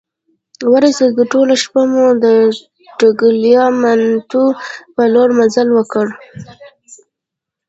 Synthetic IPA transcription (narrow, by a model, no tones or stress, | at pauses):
waɾaseɡəʈolaʃpamud̪ə | ʈəɡəljɑmant̪upəloɽmazalwəkəɽ